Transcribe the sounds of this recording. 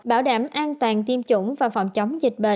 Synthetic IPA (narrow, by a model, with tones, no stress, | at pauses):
ɓaː˧˩wɗaː˧˩mʔaː˧nt̪waː˨˩nt̪i˧əmt͡ɕʊ̰˧˥ŋ͡mvaː˨˩fɔ̰˧˨˩wŋ͡mt͡ɕə˨˦wŋ͡mzï˨˩k̟̚ɓḛ˧˨